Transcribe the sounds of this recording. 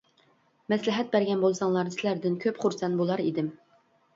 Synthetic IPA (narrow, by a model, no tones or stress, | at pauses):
mɛslɪɦɛt̪̚bæɾɡʲɛnbolˠsɑŋlˠɑɾnɨsɪlæɾd̪ɪnkʲʰøpχuɾsɛnbolˠɑɾḭd̪ɪm